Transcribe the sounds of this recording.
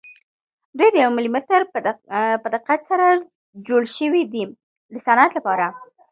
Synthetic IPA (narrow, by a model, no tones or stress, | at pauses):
d̪ujd̪əjawmɪlimʊt̪əɾ | pəd̪aɪqqat̪saɾa | d͡ʒoɽʃəwid̪i | d̪əsanat̪lapɑɾa